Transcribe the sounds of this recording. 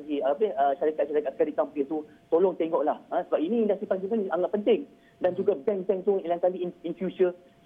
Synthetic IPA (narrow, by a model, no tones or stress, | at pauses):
ɡiabehəʃaɾikaʔʃaɾakaʔ̚kadikampit̪u | t̪olɔŋt̪eŋɡɔʔlahə̃səbapinĩndasipans̬ipanaŋaʔ̚pənt̪ɪŋ | dand͡ʒuɡadɛŋzɛŋt̪uilaŋkaliininfjut͡ʃə